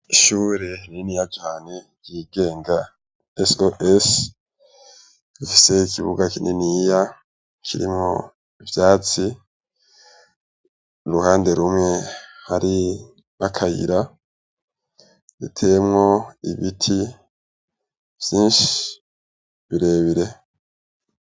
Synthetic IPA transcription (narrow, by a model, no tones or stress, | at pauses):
iʃuːɾeninijad͡ʒaːni | jiːɡe̞ːŋɡa | esoʔes | βifi̥se̞ikʰiβuɡakinʔeniːja | kʰiɾḭmo | ivjaːt͡si | ɾuhaːnde̞ɾumŋe̞haɾi | akʰajḭɾa | βḭtʰe̞mŋo̞iβitʰi | v̥jiːnʃi̥ | βiɾe̞ːβiɾe̞